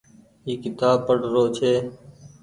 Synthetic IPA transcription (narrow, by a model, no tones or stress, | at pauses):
iːkɪt̪aːb̚pəɽɾoːt͡ʃʰeː